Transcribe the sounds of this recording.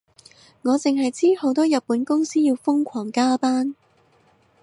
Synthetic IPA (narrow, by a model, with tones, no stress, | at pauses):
ŋɔː˨˧t͡sɪ˨ŋɦɐ˨jt͡siː˥ho˨˥wt̪ɔː˥jɐ˨t̚pːuː˨˥nkʊ˥ŋsiː˥jiː˧wfʊ˥ŋkʷʰɔː˨˩ŋkaː˥paː˥n